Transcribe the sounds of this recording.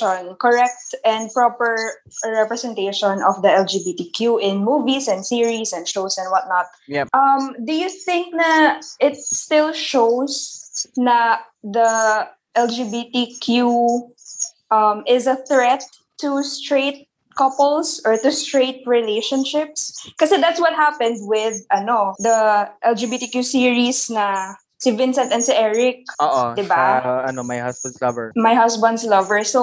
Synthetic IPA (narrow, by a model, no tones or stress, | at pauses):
ɔ̃nkɔɹɛk̚t̪ɛ̃nd̪̚pɹɔpəɹ | ɹɛpɹɛsɛ̃nt̪eʃɔ̃nɔfd̪ɐɛld͡ʒibit̪ikjuʔɪ̃nmuːvisɛ̃nd̪siɹisɛ̃nd̪ʃoʊsɛ̃nd̪̚wʌt̪̚nɔt̪̚jʔɐmd̪ʊjuθɪ̃ŋk̚nɐʔɪt̪̚st̪ɪlˠʃowsnɐ | d̪ɐ | ʔɛld͡ʒibit̪ikʰju | ʔɐmɪzɐθɹɛt̪̚ː | ʊst̪ɹeɪt̪̚ | kɐpɛlˠsɔɹt̪ʊst̪ɹeɪt̪̚ɹɪleʃɔ̃nʃɪp̚skɐsɛd̪at̪swɔt̪̚hapɛ̃nd̪̚wɪd̪̚ʔɐnod̪ɐʔɛld͡ʒibit̪ikjusiɹisnɐ | sɪvɪ̃nsɛ̃nt̪ɛnsɪʔɛɹɪk̚ʔoːʔod̪ɪbaɐnomajhɐsbɐ̃nd̪slɐvəɹmajhɐsbɐnd̪slɐvəɹso